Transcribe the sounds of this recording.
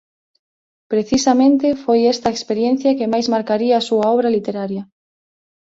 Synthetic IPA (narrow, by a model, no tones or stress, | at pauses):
pɾeθisamẽnt̪efojest̪ɐekspeɾjen̟θjakemajzmaɾkaɾiɐːsuaɔβ̞ɾalit̪eɾaɾjɐ